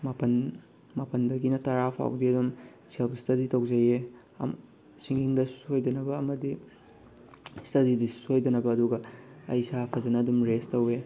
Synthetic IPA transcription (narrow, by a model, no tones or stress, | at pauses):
mapɐn | mapɐndɐɡinɐtɐɾapʰa̰wdiɐdum | selpstʰɐditɐwzɐjḛ | siŋiŋdɐsu̥sojdɐnɐbɐːmɐdi | stɐdidissojdɐnɐbɐːduɡɐɐ̰jsapʰɐzɐnɐːdumɾestɐwe